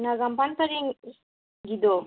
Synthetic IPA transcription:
naɡampant̪aɾiŋ | ɡid̪o

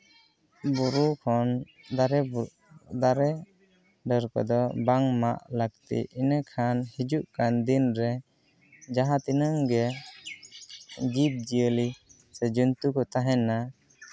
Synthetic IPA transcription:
buɾukʰɔn | d̪aɾɛ | d̪aɾɛ | ɖəɾkɔ̰d̪ɔbaŋma̰ʔləkt̪ḭinəkʰanhid͡ʒuʔkand̪inɾɛ | d͡ʒaɦãt̪inəŋɡɛ | ɡip̚d͡ʒiəli | sɛd͡ʒunt̪ukɔt̪aɦɛna

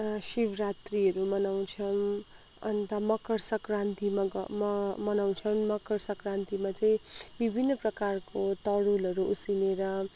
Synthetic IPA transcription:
sibʱrat̪riʌɾumʌnaw̃t͡sʰʌm | ʌ̰nt̪amʌkʌrsʌkrãnt̪imaɡʌ̰mʌmʌnaw̃t͡sʰʌmmʌkʌrsʌkrãnt̪imat͡saĩbibʱinːʌprʌkarkot̪ʌɽulʌɾuusineɾʌ

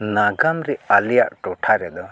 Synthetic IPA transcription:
naɡamɾɛalijaʔʈɔʈʰaɾɛd̪ɔ

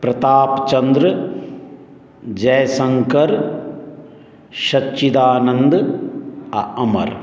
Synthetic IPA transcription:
pɾɐt̪aːpt͡ʃɐnd̪ɾɨ | d͡ʒɐjsɐŋkɐɾ | ʃɐtːt͡ʃid̪aːnɐnd̪ | ɐʔɐmɐ̰ɾ

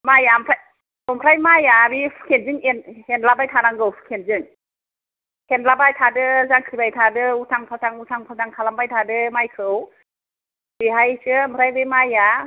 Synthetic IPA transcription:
majampʰɾaj | ɯmpʰɾajmajabi̥kʰenzɯŋenhenlabajtʰaɾaŋɡɯwfʰkʰenzɯŋ | henlabajtʰadɯzaŋkʰibajtʰadɯutʰaŋpʰawtʰaŋutʰaŋpʰataŋkʰalambajtʰadɯmajkʰɯw | biɦajsɯɯmpʰɾajbɯjmaja

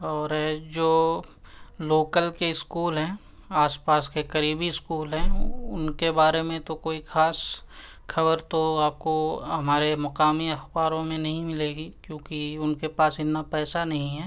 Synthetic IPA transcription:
ɔːɾd͡ʒoː | loːkəlkeɪskuːlɦɛ̃ː | aːspaːskekɐɾiːbiɪskuːlɦɛ̃ʊnkebaːɾemẽt̪okoːixaːs | xʰɐbəɾt̪oaːp̚koɦɐmaːɾemɐqaːmiɐxbaːɾõmẽnɐɦĩmɪleːɡikjõːkiʊnkepaːsɪt̪napɛːsanɐɦĩɦɛː

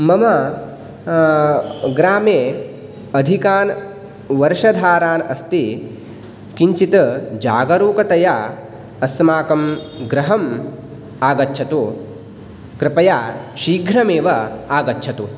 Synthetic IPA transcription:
mɐmɐ | ɡɾaːmeː | ɐd̪ʱikaːn | ʋɐɾʃɐd̪ʱaːɾaːnɐst̪i | kiɲt͡ʃit̪ɐd͡ʒaːɡɐɾuːkɐt̪ɐja | ɐsmaːkɐm | ɡɾɐɦɐm | aːɡɐtːt͡ʃʰɐt̪u | kɾɪpɐjaːʃiːɡʱɾɐmeːʋɐaːɡɐtːt͡ʃʰɐt̪u

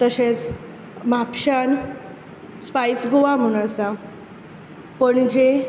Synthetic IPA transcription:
t̪əɕet͡s | mapɕan | spajsɡoʋam̤uñasa | pəɳd͡ʑe

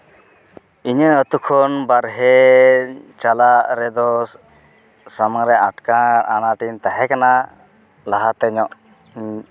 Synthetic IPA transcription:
iɲəət̪ukʰɔnbaɾɦɛ | t͡ʃalaʔɾɛd̪ɔ | samaŋɾɛaʈkaɾanaʈint̪aɦɛkana | laɦat̪ɛɲɔʔ

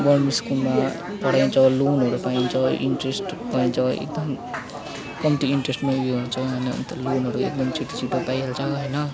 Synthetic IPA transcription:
bʌnmiskulma | pʌɽaĩnt͡sʰʌlonɦʌɾupaint͡sʰʌḭɳʈresʈpʌint͡sʰʌḛk̚d̪ʌm | kʌmʈiiɳʈresʈmeuɡiɦunt͡sʰʌɦʌjnʌ̰nt̪ʌlonɦʌɾuḛk̚d̪ʌmt͡sʰiʈi̥t͡sʰiʈopajɦelt͡sʰʌɦʌjnʌ

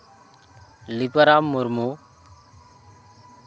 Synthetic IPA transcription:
lipəɾamːuɾmu

